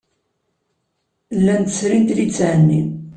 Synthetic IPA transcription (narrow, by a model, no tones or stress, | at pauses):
lːænt̪ə̥sɾint̪lit͡sːʕnːin